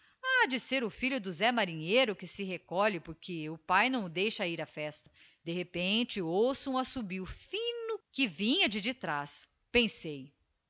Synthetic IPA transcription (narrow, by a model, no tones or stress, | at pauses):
ad͡ʒɪseɾʊfiʎʊd̪ʊzɛmaɾĩɲejɾʊkɪsɪɦekɔʎɪpʊɾkʰɪʊpajnɐ̃w̃ʊd̪ejʃɐiɾafɛst̪ɐ̥ | d̪ehepẽt͡ʃɪowsũasubiwfĩnʊkɪvĩɲɐd͡ʒɪd͡ʒɪt̪ɾas | pẽsej